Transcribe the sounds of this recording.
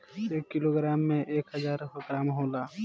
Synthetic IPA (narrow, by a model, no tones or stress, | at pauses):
eːkːɪloːɡɾaːmːẽʔeːkɦɐzaːɾɦʊkɾaːmɦoːlaː